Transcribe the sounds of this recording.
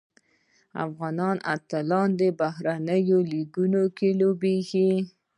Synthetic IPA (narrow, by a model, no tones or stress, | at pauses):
a̰fɣɑnɑna̰t̪alɑnd̪əbaɦɾanəjoliɡunokelobexi